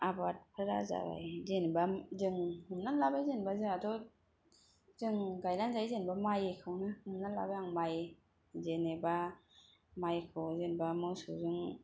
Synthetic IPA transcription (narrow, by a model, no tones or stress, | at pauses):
abat̚pʰɯɾa̰za̰ba̰jzenbazɯŋhɯmnanlabajzenbazɯŋadɔ | zɯŋɡajnanzajzenbamajekʰɯwnɯhɯmnanla̰bajaŋmaj | zeneba | majkʰɯwzenbamɯsṵzɯŋ